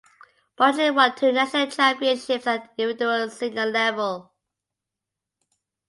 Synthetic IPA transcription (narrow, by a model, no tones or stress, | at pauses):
b̥ɔd͡ʒə̃wətʰʉːnaʃənəlˠt͡ʃʰãmpiə̃nʃɪpsətɪ̃vɪdəəlˠsɪ̃ŋɡəllɛvəlˠ